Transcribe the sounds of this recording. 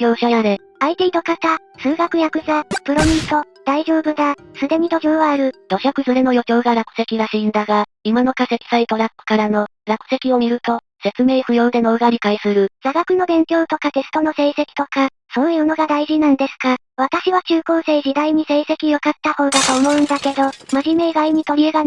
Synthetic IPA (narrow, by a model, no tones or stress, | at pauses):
o̞ːɕaaɾe̞ | ait̪e̞id̪o̞kat̪a | sɨːɡakɯ̟jakɯ̟zapɯ̟ɾo̞mʲĩnt̪o̞ | d̪̥aiʑo̞ːbɯ̟d̪asɨd̪e̞ɲ̟id̪o̞kʲo̞ːβaːɾɯ̟d̪̥o̞ɕakɯ̟zɨɾeno̞jo̞kʲo̞ːɡaɾakɯ̟̥se̞kʲiɾaɕĩnd̪aɡa | imano̞kase̞kʲi̥sait̪o̞ɾapːɯ̟̥kaɾano̞ɾakɯ̟̥se̞kʲio̞mʲiɾɯ̟t̪o̞ | se̞t͡sɨme̞ːɸɯ̟jo̞ːd̪e̞no̞ːɡaɾʲikaisɨɾɯ̟z̥aɡakɯ̟no̞bẽ̞ŋkʲo̞ːt̪o̞kat̪e̞sɨ̥t̪o̞no̞se̞ːse̞kʲi̥t̪o̞ka | so̞ːjɯ̟ːno̞ɡad̪aiʑinãnd̪e̞sɨ̥ka | βat̪aɕiβat͡ɕɨːko̞ːse̞ːʑid̪aiɲ̟ise̞ːse̞kʲijokat̪ːaho̞ːd̪at̪o̞ːmo̞ɯ̟̃nd̪ake̞d̪o̞maʑime̞ɡaiɲ̟it̪o̞ɾʲieɡa